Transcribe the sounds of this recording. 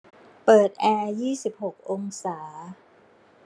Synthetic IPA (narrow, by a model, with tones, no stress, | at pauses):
pɤː˨˩t̪̚ʔɛː˧jiː˥˩si˨˩p̚ho˨˩k̚ʔo˧ŋsaː˩˦